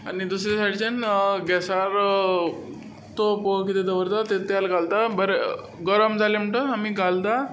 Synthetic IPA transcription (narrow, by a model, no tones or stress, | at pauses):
a̰nid̪usɾjasaʈit͡ɕənɡɛsaɾ | t̪opokit̪ed̪əʋəɾt̪at̪et̪jalɡald̪abəɾe | ɡəɾəmd͡zalem̤əɳʈoamiɡald̪a